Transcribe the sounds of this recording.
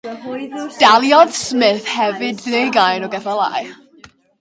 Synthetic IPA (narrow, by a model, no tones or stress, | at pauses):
d̥alˠjɔd̥smɪθhɛvɨdlejɡajnɔɡɛθalˠa̰j